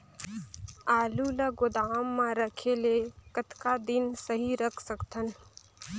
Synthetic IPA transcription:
aːlulɐɡʊd̪aːmːãɾəkʰeːlekət̪kad̪ɪnsəɦiɾəkʰsəkt̪ʰən

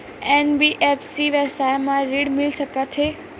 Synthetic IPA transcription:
enbiʔefsiʋəsajmãɾiɽmɪlʃəkat͡ʃʰe

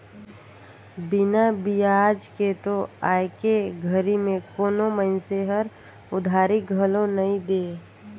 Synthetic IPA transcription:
bɪnabijad͡ʒket̪oaːjkeɡʱəɾimẽkoːnoməɪnseɦəɾ | ʊd̪ʱaːɾiɡʱəlonəĩd̪eː

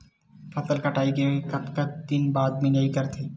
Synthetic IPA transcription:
fat̪alkaʈajɡeokatkat̪ːinbad̪minajkaɾt̪ʰe

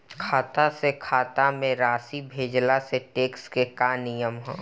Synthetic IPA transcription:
kʰaːt̪asekʰaːt̪amẽɾaːsibʱeːd͡ʒlaseʈeːkskekaːnijəmɦõ̰ː

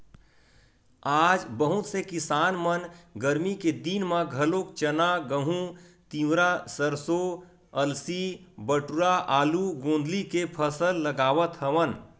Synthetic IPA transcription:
aːd͡ʒbəɦʊt̪sekɪsaːnmənɡəɾmiked̪inmãɡʱəlokt͡ʃənaɡəɦũt̪iwɾasəɾso | əlsibəʈuɾaʔaːluɡõːnd̪likepʰəsəlːəɡaːʋət̪ɦəʋən

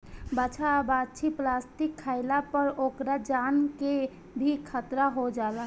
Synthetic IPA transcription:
bat͡ʃʰabat͡ʃʰiplast̪ikʰːaɪlapəɾokɾad͡ʒanke | bʱikʰət̪ɾaɦod͡ʒaːla

